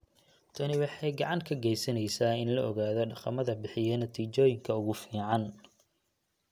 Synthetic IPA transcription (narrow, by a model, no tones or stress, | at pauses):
t̪ʰɐnɪwɑħɑjɡɑʕɑŋkʰɐɡɛjsɐnɛjsaːɪnlɐɔɣaːðɔɖɑqɑmɐðɐbɪħɪjɛnɐt̪ʰiːt͡ʃɔːjɪŋkʰɐʊɣʊfiːʕɑn